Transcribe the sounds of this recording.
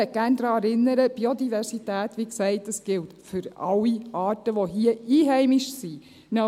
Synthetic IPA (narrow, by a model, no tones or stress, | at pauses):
ɛɡ̥æːnd̥̪ɾɑːɛɾɪnːəɾəb̥iod̪ivɛɾsitæːtʋiksɛɪtəsɡ̥ɪltfʏɾɑwiʔɑːtəʋoɦiəiːɦɛɪmiʃsi | nə